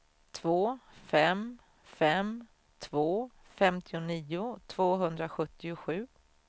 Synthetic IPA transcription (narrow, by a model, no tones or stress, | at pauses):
t̪ʰvoːfɛm | fɛm | t̪ʰvoː | fɛmt̪ʰɪʊniːʊt̪ʰv̥oːɦɵnd̪ɾaɧɵt̪ːɪʊɧʉ̟ː